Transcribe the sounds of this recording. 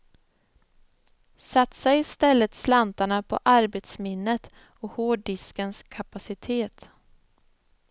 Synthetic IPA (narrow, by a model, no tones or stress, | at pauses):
sat̪sɛɪst̪ɛlːət̪slant̪aɳapʰɔ̰ʔaɾbet̪smɪnːət̪ | ɔhoːɖɪskənskʰapasɪt̪ʰeːt̪